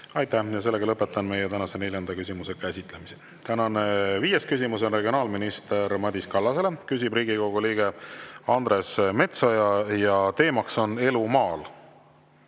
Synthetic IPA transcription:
ɑjt̪æhjɑse̞lːe̞ɡɑlɤpːˑe̞t̪ːˑɑnme̞jet̪ænɑse̞ne̞lʲjɑnd̪̥ɑkysimuse̞kæsʲit̪ˑle̞mise | t̪ænɑneviːje̞skysimus̬o̞nre̞ɡio̞nɑːlminist̪e̞ɾmɑd̪ʲiskɑlːɑse̞le̞kysʲibriːɡiko̞ɡ̥uliːɡ̥e̞ɑnd̪ɾe̞sme̞t̪sojɑjɑt̪e̞ːmɑkso̞ne̞lumɑːl

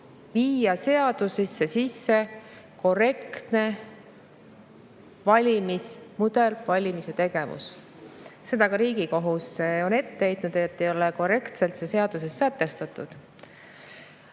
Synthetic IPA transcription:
viːjɑse̞ɑd̪̥usisːesisːe̞ | ko̞re̞kt̪ne̞ | vɑlʲimismud̪̥e̞lvɑlʲimise̞t̪e̞ɡ̥e̞vṵs | se̞d̪ɑkɑɾiːɡiko̞ɦusːeo̞ne̞t̪ːe̞ejt̪nud̪̥et̪ːejo̞leko̞re̞kt̪se̞lt̪sese̞ɑd̪̥usesːæt̪ːe̞st̪ɑt̪ːˑud̪̥

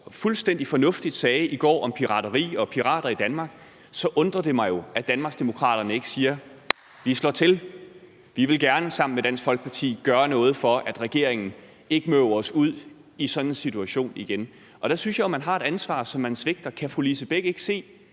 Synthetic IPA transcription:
fulsd̥en̰d̥ifɒ̽nɔ̽fd̥id̥sɛːɪʔiɡ̥ɒ̰ːʔɒ̽mpʰiʁɑ̈ːdɐʁḭːɒ̽pʰiʁɑ̰̈ːɾ̥ɐid̥ænmɑ̈ɡ̥ | sɒ̽ʔɔ̽nd̥ʁɐd̥e̝mɑ̈ɪjo̝æd̥ænmɑ̈ɡ̥sd̥e̝mo̝kʰʁɑ̰̈ːɾ̥ɐnəe̝ɡ̥ə̥siːɐ | ʋislɒ̰ːt͡sʰe̝l | ʋiʋe̝lɡ̥æɐnəsɑ̈m̰n̩med̥æn̰sfɒ̽lɡ̥̚pʰɑ̈t͡sʰḭːɡ̥ɶːɐnɔ̽ːð̞̩ˠfɒ̽ʔæd̥ʁɛɡ̥e̝ɐ̰eŋn̩ | e̝ɡ̥əmøʊɐɒ̽suð̞̰ˠ | isɒ̽n̥n̩sit͡sʰuæɕo̝̰ːniɡ̥en | ʔɒ̽ɾ̥æsynsɕjɑ̈ɪomænɦɑ̈e̝ɾ̥ænsʋɑ̰̈ːsɒ̽mːænsʋe̝ɡ̥̚d̥ɐkʰæfolisəb̥eɡ̥əe̝ɡ̥se̝̰ː

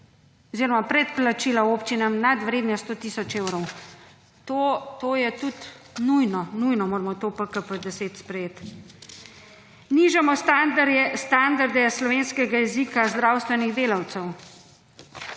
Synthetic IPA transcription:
ɔziːɾɔmapɾɛt̪̚plat͡ʃiːlaopt͡ʃinamnad̪ʋɾeːd̪njɛst̪oːt̪iːsɔt͡ʃewɾɔw | t̪ot̪oːjɛt̪ut̪ | nujnɔnujnɔmoːɾmɔt̪opəkəpəd̪ɛseːt̪spɾɛjeːt̪ | niʒɛmɔst̪ad̪st̪and̪aɾd̪ɛslɔʋeːnskɛɡajɛzikazd̪ɾawst̪ʋɛniɣd̪eːlawt̪sɛw

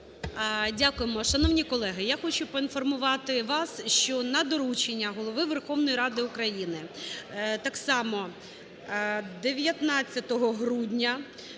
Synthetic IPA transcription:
dʲakʊjemɔʃɐnɔwnʲikɔlˠɛɦɪjaxɔt͡ʃʊpɔinfɔrmʊʋɑt̪ɪʋɑsʃt͡ʃɔnɐd̪ɔɾut͡ʃenʲːɐɦɔlˠɔʋɪʋerxɔʋnɔjiɾɑd̪ɪʊkɾɐjinɪ | t̪ɑksɑmɔ | d̪eʋʲjɐt̪nɑt͡sʲːɐt̪ɔɦɔɦɾudʲnʲɐ

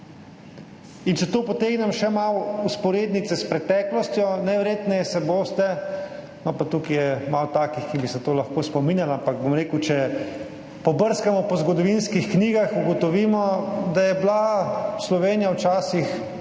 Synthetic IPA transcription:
int͡ʃɛt̪oːpɔt̪eːɡnɛmʃɛmawuspɔɾeːd̪nit̪sɛspɾɛt̪ɛːklɔst̪jɔnɛʋɛɾjet̪nɛjɛsɛboːst̪ɛ | nɔpat̪ukijɛmawt̪aːkixkibisɛt̪oːlaxkoːspɔminjalampak̚bomɾeːkut͡ʃɛ | pɔbəɾskamɔpɔzɡɔd̪ɔʋinskixkniːɡaxuɡɔt̪ɔʋiːmɔd̪ajɛblaslɔʋeːnijawt͡ʃaːsix

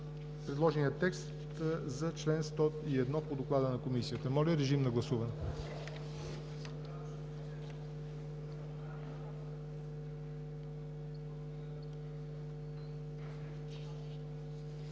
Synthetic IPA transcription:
pɾɛd̪lˠɔʒɛniət̪ːɛkst̪ | zɐt͡ʃlɛnst̪ɔiɛd̪nɔpod̪oklˠad̪ənɐkomisiət̪əmɔlʲəɾɛʒimnɐɡlˠɐsuvɐnɛ

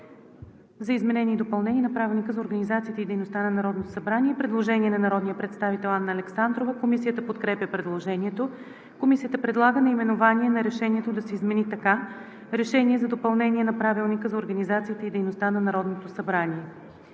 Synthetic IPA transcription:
zɐizmɛnɛniːd̪opɐlˠnɛnʲiɛnɐpɾavilˠnʲikəzɐoɾɡɐnizat̪siːt̪əid̪ɛjnost̪anɐnɐɾɔd̪not̪o̥sɐbɾanʲiɛpɾɛd̪lˠoʒɛnʲiɛnɐnɐɾɔd̪nijəpɾɛt̪st̪avit̪ɛlˠanːəːlɛksand̪ɾovəkomisijət̪əpot̪kɾɛpʲjəpɾɛd̪lˠoʒɛniɛt̪o | komisijət̪əpɾɛd̪lˠaɡənɐimɛnovaniɛnɐɾɛʃɛnʲiɛt̪od̪ɐsɛizmɛnit̪ɐka | ɾɛʃɛniɛzɐd̪opɐlˠnɛniɛnɐpɾavilˠnikəzɐoɾɡɐnizat̪siːt̪əid̪ɛjnost̪anɐnɐɾɔd̪not̪osɐbɾaniɛ

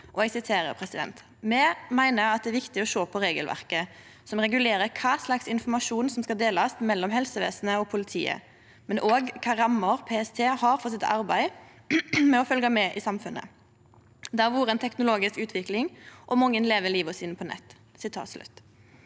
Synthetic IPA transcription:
ʔɔɛɡsɪt̪ʰeːɾə̰ʁpʰʁɛsɪd̪ɛ̰nt̪ | mɛmæɪnəɑt̪̚ɛæːɾʋɪkt̪ɪɔʃoːpʰɔɾeːɡəlʋʔæ̰ʁkə | sɔmʁɛɡʉleːɾəkʰɑːslɑksɪnfɔmɑʃuːnsɔmskɑld̪eːlɑst̪mɛlːɔmhɛlsəʋḛːsn̩əɔpʰʊlɪt̪ʰḭːə̰ | mɛnʔoːɡkʰɑɾɑmːɔʁpʰeːɛst̪ʰeːhɑɾfɔsɪt̪ɑ̰ɾbæɪ | mɛɔfœlɡɑmɛʔɪsɑmfʉnə̰ | d̪æʁʋuːʁəɛnt̪ʰɛknʊloːɡɪskʉːt̪ʰʋɪklɪŋʔɔmʊŋːənleːʋəliːʋɔsiːnəpʰɔnɛ̰t̪ː | sɪt̪ʰɑ̰ːt̪slʉ̰t̪

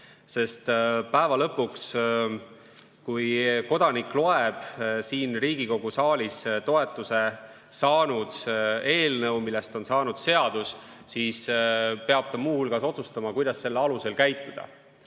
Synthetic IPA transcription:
se̞st̪pæevɑlɤpːuks | kujko̞d̪̥ɑniklo̞eb̥siːnriːɡ̥iko̞ɡ̥usɑːlʲist̪o̞e̞t̪ːˑuse | sɑːnud̪̥e̞ːlnɤwmilːest̪o̞nsɑːnud̪̥se̞ɑd̪̥us | siːspe̞ɑb̥̚t̪ɑmuːhulɡ̥ɑso̞t̪sust̪ɑmɑkujd̪̥ɑsːe̞lːeɑluse̞lkæjt̪ːˑud̪̥ɑ̰

